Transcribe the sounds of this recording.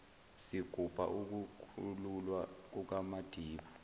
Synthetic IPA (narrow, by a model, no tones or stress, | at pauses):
siɡ̥ʱub̥ʱa̰ʔuk̬ukʰululwak̬uk̬amad̥ʱiːɓa